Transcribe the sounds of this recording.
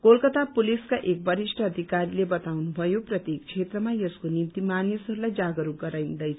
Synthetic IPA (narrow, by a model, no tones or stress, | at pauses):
kolkʌt̪apuliskaʔek̚bʌɾisʈʰʌːd̪ʱikaɾilebʌt̪awnubʱʌjoprʌt̪jek̚t͡sʰet̪rʌmajʌskonimt̪imanisʌɾulajd͡zaɡʌɾuɡʌɾajnd̪ʌjt͡sʰ